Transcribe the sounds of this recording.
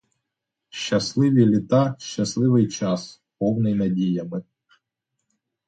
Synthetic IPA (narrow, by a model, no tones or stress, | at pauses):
ʃt͡ʃɐslˠɪʋʲilʲit̪ɑʃt͡ʃɐslˠɪʋɪjt͡ʃɑs | pɔwnɪjnɐdʲijɐmɪ